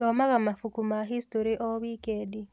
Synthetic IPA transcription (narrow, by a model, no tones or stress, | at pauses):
omaɣamafukumaɦistoɾiʔoβikedi